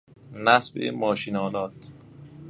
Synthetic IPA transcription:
næsbḛmɒːʃiːnɒːnɒːt̪

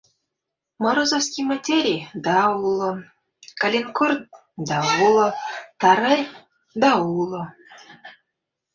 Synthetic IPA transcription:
măɾozofskʲijmatʲeɾʲijd̪ɑulˠɤ̆ | kalʲenkort̪̚ | d̪ɑulˠɤ̆t̪ɑɾɤrʲ | d̪ɑulˠɤ̆

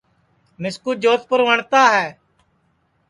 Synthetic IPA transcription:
mɪskuːd͡ʒoːt̪̚pəɾʋəɳt̪aːɦɛː

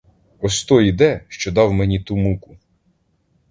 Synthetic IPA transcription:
ɔsʲt̪ɔjid̪ɛʃt͡ʃɔd̪ɑwmɛnʲit̪umukʊ

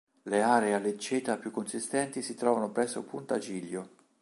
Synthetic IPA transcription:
leaːɾealet͡ʃːeːt̪apjukːonsist̪ɛnt̪isit̪ɾɔːvanopɾɛsːo̰punt̪at͡ʃiʎːo

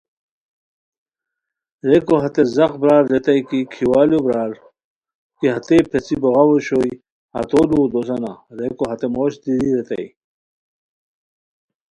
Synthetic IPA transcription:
ɾekoɦɐt̪ezɐqbɾaːɾːet̪ɐjkikʰiwaːljobɾaːɾ | kiɦɐt̪epʰet͡siboʁawoɕoj | ɐ̰t̪olud̪osɐna̰ɾekoɦɐt̪emoːɕd̪iɾiɾet̪ɐ̰j

